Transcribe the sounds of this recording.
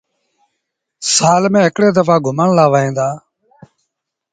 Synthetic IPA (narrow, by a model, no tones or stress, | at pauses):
saːlmẽːɦɪkɽeːd̪əfaːɡʊmaːɳlaːʋaːẽːnd̪aː